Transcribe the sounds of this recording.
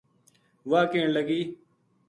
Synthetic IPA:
ʋaːkeːɳləɡiː

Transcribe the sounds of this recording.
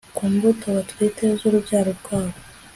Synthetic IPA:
kuːmbutoβatwiːtezuɾubjaːɾoɾɡ̥waːβo

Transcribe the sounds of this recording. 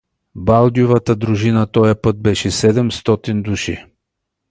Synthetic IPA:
balˠd̪ʲijuvat̪əd̪ɾuʒinat̪ɔjɐpɤt̪̚bɛʃɛsɛd̪ɛmst̪ɔt̪ind̪uʃḭ

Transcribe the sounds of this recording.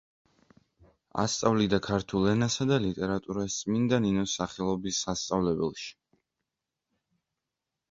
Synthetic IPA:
a̰st̪sʼavlid̪akʰaɾt̪ʰulˠɛnasad̪alit̪ʼɛɾat̪ʼuɾast̪sʼmind̪aninɔsaχɛlˠɔbisːast̪sʼavlɛbɛlˠʃi̥

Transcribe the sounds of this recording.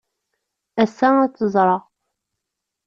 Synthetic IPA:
æsææt͡sːəzˤɾˤɑ

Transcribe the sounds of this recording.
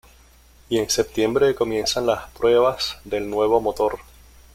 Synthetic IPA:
ie̞nse̞p̚t̪je̞mbɾe̞ko̞mje̞nsanlaspɾwe̞β̞asðe̞lnwe̞β̞o̞mot̪o̞ɾ

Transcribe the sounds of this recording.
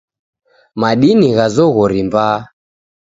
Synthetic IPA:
maɗiniɣazɔɣɔɾimbaː

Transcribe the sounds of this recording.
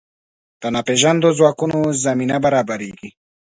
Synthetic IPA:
d̪̥ɐnapeʒand̪ozwaːkunozaminabɐɾaːbaɾiɡi

